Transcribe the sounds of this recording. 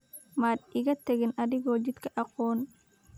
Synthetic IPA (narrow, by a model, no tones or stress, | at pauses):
maːd̪ɪɣɐt̪ʰɐɣɪnʔɐðɪɣɔːt͡ʃɪd̪kʰɐʔɑqɔːn